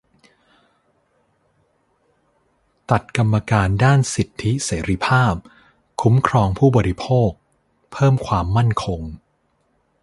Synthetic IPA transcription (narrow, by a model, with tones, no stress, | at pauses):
t̪a˨˩t̪̚ka˧mːa˧kaː˧ndaː˥˩nsi˨˩t̪ʰːi˦˥seː˩˦ɾi˦˥pʰaː˥˩p̚ | kʰu˦˥mkʰɾɔː˧ŋpʰuː˥˩bɔː˧ɾi˦˥pʰoː˥˩k̚ | pʰɤː˥˩mkʰwaː˧mːa˥˩nkʰo˧ŋ